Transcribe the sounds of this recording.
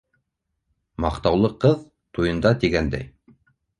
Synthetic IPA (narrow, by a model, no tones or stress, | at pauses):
mɑqt̪ɑwlˠɤqɤð | t̪ujɤ̆nd̪ɑt̪iɡænd̪æ̰j